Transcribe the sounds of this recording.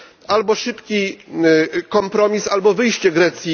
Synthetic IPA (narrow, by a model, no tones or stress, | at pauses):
albɔʂɘpkʲi | kɔmpɾɔmʲisalbɔvɘjɕt͡ɕɛɡɾɛt̪sʲji